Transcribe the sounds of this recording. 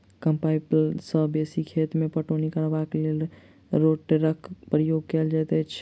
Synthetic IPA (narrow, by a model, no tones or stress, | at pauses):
kəmpajpsəbesikʰet̪mepəʈonikəɾbaklel | ɾoʈʈɾəkʰpɾijoɡ̚kɛld͡ʒɛt̪ɛt͡ʃʰ